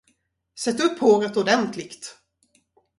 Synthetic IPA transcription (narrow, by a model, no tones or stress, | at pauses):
sɛt̪ːɵpʰːhoːɾət̪ɔd̪ɛnt̪ʰlɪkt̪